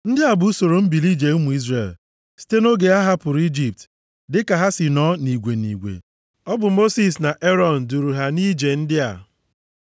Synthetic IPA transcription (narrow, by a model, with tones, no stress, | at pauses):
n̩˦dɪ˦a˨bʊ˨˦u˦so˨ɾo˨m̩˦bi˨li˦d͡ʒe˨u˦mu˨i˦zrḛ˨l | si̥˦te˦no˦ɡe˨a˦ɦa˦pʊ˨ɾu˨˦i˦d͡ʒi˨p̚t | dɪ˦ka˨ɦa˦sɪ˨nɔ˦ni˨ɡʷe˨nḭ˨ɡʷḛ˨ | ɔ˦bʊ˨mo˦si˦˨sna˨ʔe˦ɾɔ˨n̩˨du˨ɾu˨ɦa˨ni˦d͡ʒe˨n̩˦dɪ˦a̰˨